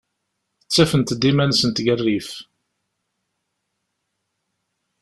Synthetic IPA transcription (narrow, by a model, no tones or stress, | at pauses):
ət͡sːæfənt̪d̪imænsənt̪ɡərːif